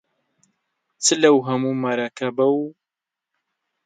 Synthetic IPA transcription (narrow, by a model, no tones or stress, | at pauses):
t͡sʰɨlɐwɦɐmuːmaɾakʰabɐw